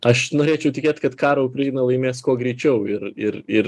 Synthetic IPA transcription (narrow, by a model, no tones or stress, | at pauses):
ɐʃnoːɾʲeːt͡ʃʲɛʊt̪ʲɪkʲeːt̪ʲkɐt̪kɑːɾoʊpʲɾʲɛɪnɐlˠɐɪmʲeːskoːɡɾʲɛɪt͡ʃʲɛʊɪɾɪɾɪr